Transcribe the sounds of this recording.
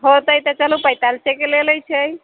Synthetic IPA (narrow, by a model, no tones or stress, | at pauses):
ɦot̪əjt̪ət͡ʃəlupəjt̪alsekeleləjt͡ʃʰəj